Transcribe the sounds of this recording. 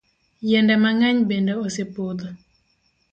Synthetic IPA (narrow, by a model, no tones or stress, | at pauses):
jɛndɛmaŋaɲbendoosepod̪o